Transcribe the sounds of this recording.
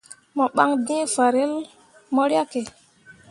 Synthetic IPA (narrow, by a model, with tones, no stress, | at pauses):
mɔ˨ɓa˦ŋdĩ˦e˦fa˨ɾe˦l | mɔ˦ɾja˦ke˨